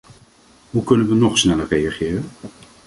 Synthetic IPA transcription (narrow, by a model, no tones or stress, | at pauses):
ɦukɵnənʋənɔχsnɛlərejaχɪːrən